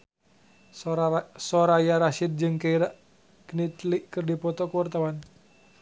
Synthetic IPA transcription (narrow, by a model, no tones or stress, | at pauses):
sɔɾajaɾaʃid̪̚d͡ʒɨŋkəiɾaʔ | knit̪liʔkɨrdipɔt̪ɔkəwart̪awan